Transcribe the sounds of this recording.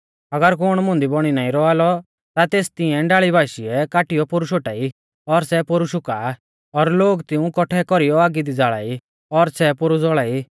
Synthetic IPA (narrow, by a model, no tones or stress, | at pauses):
ɐɡəɾkʊɽ̃mʊ̃nd̪ibɔɽ̃inaːĩɾɔaːlɔ | t̪at̪eːst̪ɪɛ̃ɖaːɭibʱaːʃiɛkaːʈɪjɔpʊɾuʃoʈaːi | ɔɾsɛpʊɾuʃʊkaː | ɔɾloːɡt̪ɪũkɔʈʰɛkɔɾijɔaːɡid̪id͡zaːɭa̰ːi | ɔɾsɛpʊɾud͡zɔɭaːi